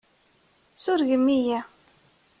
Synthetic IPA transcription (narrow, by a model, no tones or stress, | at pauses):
sʊɾʝəmːijæ